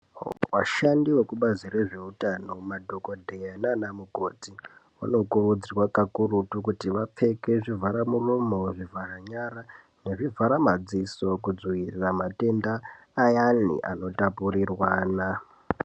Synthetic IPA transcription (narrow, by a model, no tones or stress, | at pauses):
waʃandiwekuɓazire̞ʐe̞utano̞madʱo̞ko̞dʱejananamukoːti | ṵno̞kurud͡zirwakakurutukutiʋap͡fe̞ke̞ʐivaɾamurumo̞ʐivʱaraɲaɾa | neʐivʱaɾamad͡ziso̞kud͡zwiriramate̞ndaː | janḭʔa̰no̞tapuɾirwaːna